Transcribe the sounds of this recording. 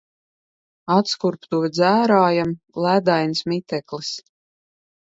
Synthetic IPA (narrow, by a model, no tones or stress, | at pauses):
at̪skuɾpt̪uvʲɛd̪zæːɾaːjam | lˠæd̪ajnsmit̪ɛklis